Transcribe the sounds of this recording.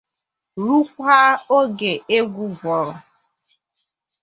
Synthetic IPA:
ɾu˦kʷa˦o˦ɡe˨e˦ɡʷu˦ɡʷɔ˨ɾɔ˨

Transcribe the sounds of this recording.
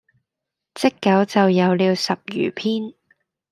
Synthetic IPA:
t͡sɪ˥kːɐ˨˥wt͡sɐ˨wjɐ˨˧wliː˨˧wsɐ˨p̚jy̰ː˨˩pʰiː˥n

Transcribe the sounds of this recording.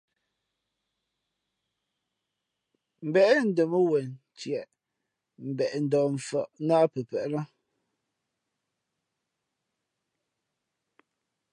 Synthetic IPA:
m̩˨bɛ˨ʔɛ˦n̩˨də˨mə˦wɛ˨n | tjɛ˨ʔ | m̩˨bɛ˨ʔn̩˨dɔ˨ɱ̩˨fə̰˨ʔnaː˦pə˨pɛ˨ʔla˦

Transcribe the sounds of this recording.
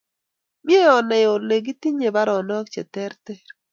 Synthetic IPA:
mje˦ɔ˨nɛ˨jo˨le˨ɡi˦ti˦ɲe˨ba˦ɾɔ˨nɔ˦kt͡ʃɛ˨t̪ɛ˦ɾt̪ɛ˦ɾ

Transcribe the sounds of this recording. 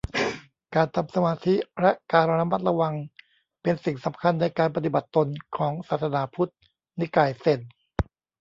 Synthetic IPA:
kaː˧nt̪ʰa˧msa˧maː˧t̪ʰi˦˥ɾɛ˦˥ʔkaː˧na˧ɾa˦˥ma˦˥t̪̚la˧wa˧ŋ | pe˧nsi˨˩ŋsa˩˦mkʰa˧nːa˧jkaː˧npa˧t̪i˨˩ba˨˩t̪ːo˧nkʰɔː˩˦ŋsaː˨˩t̪̚sa˧naː˨˦pʰu˦˥t̪̚ | ni˦˥kaː˨˩jse˨˩n

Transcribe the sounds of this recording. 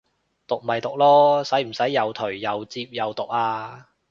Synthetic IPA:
t̪ʊ˨k̚mɐ˨jt̪ʊ˨k̚lɔː˥sɐ˨˥jm̩˨˩sɐ˨˥jːɐ˨˧wt̪ʰɵ˨˩ɥːɐ˨˧wt͡siː˧p̚jɐ˨˧wt̪ʊ˨k̚aː˧

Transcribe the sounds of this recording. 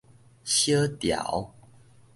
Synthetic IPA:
ɕjə˦t̪ja̰˨˩˦ʊw

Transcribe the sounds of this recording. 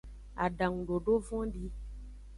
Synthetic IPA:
a̰˨ɖã˨ŋũ˨ɖo˨ɖo˦vɔ̃˦ɖi˦

